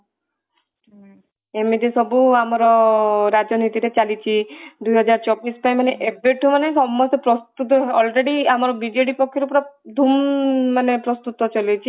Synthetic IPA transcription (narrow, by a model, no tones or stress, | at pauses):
emit̪esɔbuamɔɾɔɾad͡ʒɔnit̪iɾet͡ʃalit͡ʃʰid̪ujɦɔd͡ʒaɾt͡ʃɔbːispajmaneʔebeʈʰumanesɔmːɔst̪ɔpɾɔst̪ut̪ɔɔlɾeɽiamɔɾɔbid͡ʒeɽipɔkʰːjɔɾupɔɾɔd̪ʱumːanepɾɔst̪ut̪ɔt͡ʃɔlijt͡ʃʰi